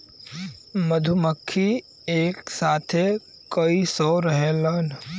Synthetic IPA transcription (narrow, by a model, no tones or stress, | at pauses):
məd̪ʱuməkʰːi | eːksaːt̪ʰe | kəisɔɾəɦelən